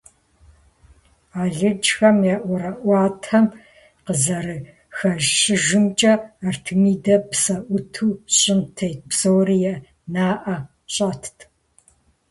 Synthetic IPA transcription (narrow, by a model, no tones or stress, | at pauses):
aːɮɨd͡ʒxɐmjɛʔʷɔɾɐʔʷɑːtʰɐm | qəzɐrɨ | xɐʒɕɪʒɪmt͡ʃʼɐːrtʰɨmiːdɐpsɐʔʷʊtʰuːɕʼɪmtʰɐjt̚psowrijɛ | naːʔɐ | ɕʼɐːtʰtʰ